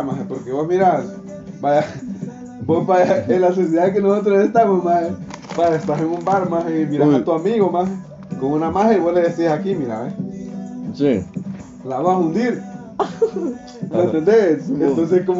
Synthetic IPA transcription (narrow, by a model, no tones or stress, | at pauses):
masepoɾkeβosmiɾaɾ | baa | bospaaelas̬es̬iðak̬enosot̪ɾosest̪amosmahebaest̪aɾeŋumbaɾmasemiɾaɾat̪uamiɣomas | koŋunamaɦeβosleðesisakimiɾa̰βe | si | laβaund̪iɾ | nẽt̪end̪esenons̬eskom